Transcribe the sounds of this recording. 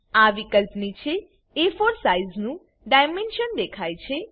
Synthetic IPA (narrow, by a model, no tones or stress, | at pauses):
aʋikəlpnit͡ʃʰeː | foɾsaiznũ | ɖajmenʃənd̪ekʰajt͡ʃʰe